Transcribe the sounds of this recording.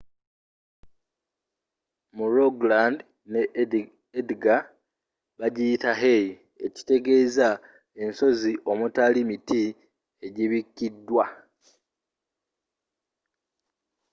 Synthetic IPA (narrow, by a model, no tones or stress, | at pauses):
muɾoɡland | ne | edɡa | βaɟitaɦe̞ji | e̞ci̥te̞ɡe̞za | e̞nso̞ziʔo̞mutalimiti | e̞ɟiβikːidːwa